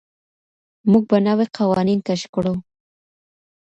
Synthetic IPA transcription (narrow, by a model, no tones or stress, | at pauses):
muɡ̚banaweqʰawɑninkaʃkɽo